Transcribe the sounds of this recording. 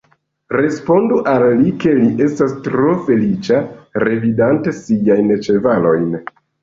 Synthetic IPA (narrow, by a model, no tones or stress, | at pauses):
ɾe̞spo̞nduʔalːike̞liʔe̞stastɾo̞fe̞lit͡ʃaɾe̞vidante̞sijajnt͡ʃe̞valo̞jn